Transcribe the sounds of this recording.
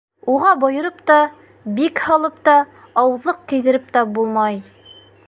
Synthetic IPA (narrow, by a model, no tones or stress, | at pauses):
uʁɑbŏjɤ̆ɾɤpt̪ɑ | bikhɑlˠɤp̚t̪ɑː | wɤ̆ðlːˠɤq̚kɘ̆jðɘ̆ɾɘp̚t̪æbulˠmɑj